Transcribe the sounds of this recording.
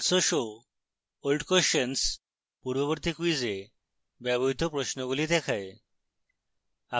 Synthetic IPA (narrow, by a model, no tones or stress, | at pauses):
soʃo | olɖkoʃens | puɾboβoɾt̪ikuid͡ʑe | bɛboɦit̪opɾoʃnoɡulid̪ɛkʰae | a